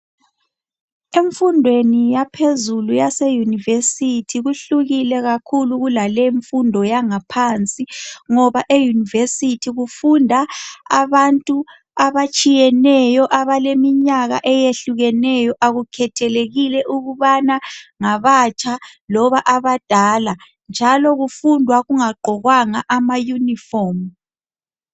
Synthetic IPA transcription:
eɱfundʱwenijapʰezulujasejunivesitʰiɣuɬuɣilɛɣakʰuluɣulalɛiɱfundʱɔjaŋapʰant͡sʼiŋɔβaʔejunivesitʰiɣufundʱaaβantʼu | aβat͡ʃʼijɛnɛjɔʔaβalemiɲaɣa̰ʔɛjeɬuɣɛnɛjɔʔaɣukʰɛtʰɛleɣilɛʔuɣuβanaŋaβat͡ʃʼalɔβaʔaβad̥ʱala | nd͡ʒʱalɔɣufundʱwaɣuŋaɡ͡ǃʱɔɣwaŋaʔamajunifɔːm

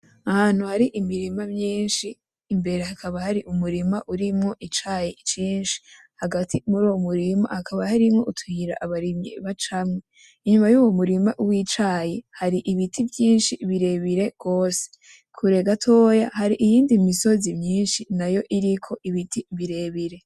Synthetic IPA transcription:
ahaːn̥huhaɾiʔimiɾimamɲiːnʃiː | mbe̞ɾehakʰaβahaɾiʔumuɾimaʔuɾimŋo̞ʔit͡ʃajet͡ʃiːnʃi̥ | haɡatʰimuɾuːwomuɾima̰hakʰaβahaɾimŋo̞utuiɾa̰ʔaβaɾimɲḭβat͡ʃamŋe | iɲumajuːwo̞muɾimaʔwiːt͡ʃaːjehaɾiʔiβitʰivjiːnʃiβiɾe̞βiɾe̞ɡ̥o̞ːse̥ | kʰuɾe̞ɡatʰo̞ːjahaɾiʔijiːndimiso̞zimɲiːnʃinajo̞ʔiɾikʰo̞ʔiβitʰiβiɾe̞βiɾe̞

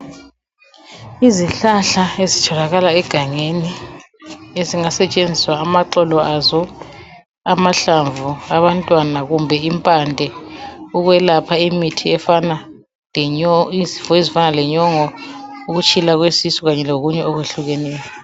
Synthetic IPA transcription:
iziɬaɬaezitʰɔlaɣalaɛɡ̥ʱaŋeni | eziŋasɛt͡ʃʼend͡zʱiswaːmaǃɔlɔazɔ | amaɬaɱvuaβantʼwanaɣumbʱɛimpʼandʱɛuɣwɛlapʰaimitʰiɛfana | izifezifanalɛɲɔŋɔuɣut͡ʃʰʼilaɣwesisuɣaɲɛloɣuɲɛɔɣweɬuɣɛnɛːjɔɔ

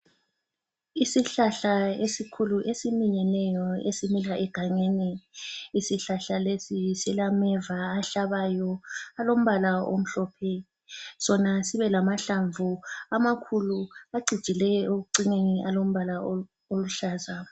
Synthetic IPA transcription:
isiɬaɬaesikʰuluʔesimiɲɛnɛjɔesimilaʔɛɡ̥ʱaŋeːniisiɬaɬalesisilamɛvaːɬaβajɔalom̩βalao̰m̩ɬɔːpʰɛ | sɔnasiβɛlamaɬaɱvuamakʰuluaɡ͡ǀʱid̥ʒ̥ʱilɛjoɣuǀineniʔalom̩βala | oluɬaːza

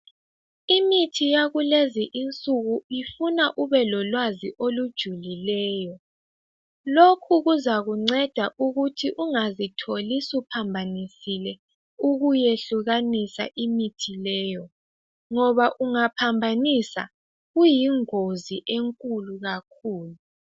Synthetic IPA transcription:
imitʰijaɣuleziʔint͡sʼuɣuifunaʔuβɛlɔlwaziʔolud̥ʒ̥ʱulilɛːjɔ | lokʰuɣuzaɣuŋ͡ǀɛd̥ʱaʔuɣutʰiʔuŋazitʰolisupʰambʱanisilɛ | uɣujeɬuɣanisa̰ʔimitʰilɛːjɔ | ŋɔβaʔuŋapʰambʱanisa̰ | ɣujiŋoziʔeŋkʼuluɣakʰuːlu

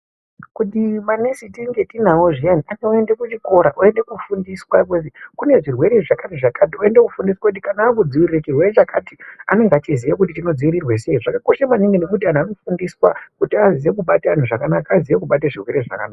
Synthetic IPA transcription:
kutimanesitiŋɡetinawoʐijaniʔaneoe̞nde̞kut͡ʃiko̞ɾaʔoe̞nde̞kufundiswakezikune̞ʐirwe̞ɾeʐakareʐakʰat̬ioe̞ndekufundiswakut̬ikanaːkud͡ziʋiriret͡ʃirwe̞ret͡ʃakʰatia̰ne̞ŋɡaat͡ʃizijakut̬itino̞d͡ziwiɾirweseiʐakako̞ʃamaniŋɡenekut̬ian̤uano̞fundiswakutiaziʋek̬uɓatean̤uʐakanakaːziʋe̞kuɓat̬eʐirwe̞ɾeʐa̰ka̰naːka

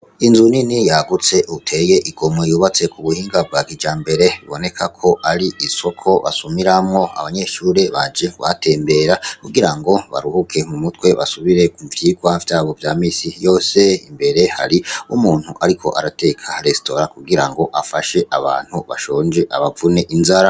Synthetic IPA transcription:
inzuninijaɡut͡se̞ʔutʰe̞je̞ʔiɡo̞mŋejuːβat͡se̞kʰuβuhiːŋɡab̚ɡakid͡ʒaːmbe̞ɾe̞βiβo̞ne̞kʰakʰo̞aɾiiso̞kʰo̞βa̰sumiɾamŋo̞a̰βaɲe̞ʃuːɾe̞βad͡ʒiɡwa̰tʰe̞ːmbe̞ːɾakuɡiɾaŋɡo̞βa̰ɾuhukʰe̞mumutwe̞βa̰suβiɾe̞kuvjiːɡwavjaːβo̞vjaːmiːsijo̞ːse̞ḭmbe̞ɾe̞ha̰ɾiumuːn̥huʔaɾikʰo̞̰ʔaɾate̞kʰaɾe̞sto̞ɾakuɡiɾaŋɡo̞ʔafaʃe̞ʔaβa̰ːn̥huβa̰ʃo̞ːɲd͡ʒeʔa̰βavune̞ʔinzaɾa

